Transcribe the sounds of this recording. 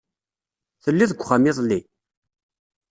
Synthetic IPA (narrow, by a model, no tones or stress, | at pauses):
θəlːiðəɡʷχamiðˤli